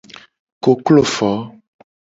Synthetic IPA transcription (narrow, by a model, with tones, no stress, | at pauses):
ko˨klo˦˨fɔ˨˦